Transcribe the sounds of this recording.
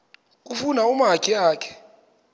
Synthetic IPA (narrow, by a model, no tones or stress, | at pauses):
kʼufunaumɦakʼiaːkʰɛ̥